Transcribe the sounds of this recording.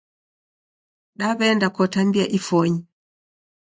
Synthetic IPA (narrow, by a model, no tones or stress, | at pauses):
ɗaβɛndakɔtambiaʔifɔɲi